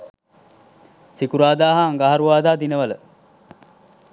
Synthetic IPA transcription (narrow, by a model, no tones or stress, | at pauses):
sikuɾaːd̪aːɦaːŋɡaɦaɾuʋaːd̪aːd̪inəʋalə